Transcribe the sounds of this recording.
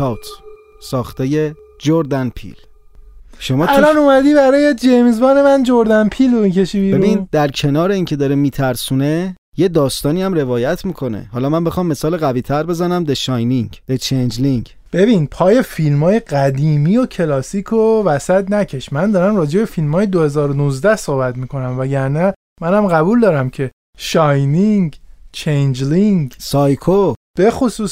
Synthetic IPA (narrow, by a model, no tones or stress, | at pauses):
ɒːwt̪ʰ | sɒːxt̪eje̞ | d͡ʒoɾd̪ænpʰḭl | ʃo̞mɒːtællɒnomæd̪iːbæɾɒːjed͡ʒejmzbɒːne̞mænd͡ʒoɾd̪ænpʰiːlomicʰe̞ʃibiːɾeɾubind̪æɾcʰe̞nɒːɾe̞iːŋcʰe̞d̪ɒːɾemiːt̪ʰæɾsuːne | je̞d̪ɒːst̪ɒːniːæmre̞vɒːjæt̪ʰmiːkʰo̞nḛhɒːlɒːmæmbe̞xɒːmːe̞sɒːleɣæviːt̪ʰæɾbe̞zænæmd̪eʃɒjniŋɟd̥̪et͡ʃʰend͡ʒliŋɡ | b̥e̞binpʰɒːje̞filmɒːje̞ɢæd̪iːmiocʰe̞lɒːsiːkʰovæsæt̪næcʰe̞ʃmænd̪ɒːɾæmrɒːd͡ʒe̞be̞filmɒːjed̪ohe̞zɒːɾonuzd̪æhso̞hbæt̪miːkʰo̞næmvæɟæɾnæ | mænæmɢæbuːld̪ɒːɾæmcʰe̞ | ʃɒjniŋɡt͡ʃʰejnd͡ʒliŋɡsɒːjkʰob̥e̞xosuːs